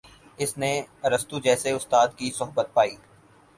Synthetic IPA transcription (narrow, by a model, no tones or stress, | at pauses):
ɪsneɾɐst̪ud͡ʒɛːseʊst̪aːd̪kisʊɦbət̪̚paːiː